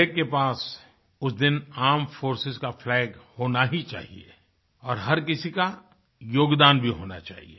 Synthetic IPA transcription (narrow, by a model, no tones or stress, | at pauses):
ɛkkːepaːs | ʊsd̪ɪnaːmfoːɾsɪzkaflɛːɡhoːnaɦit͡ʃa̰ːɦḭḛ | ɔːɾɦɐɾk̬ɪsika | joːɡd̪aːnbʱiɦo̰ːna̰t͡ʃa̰ːɦḭe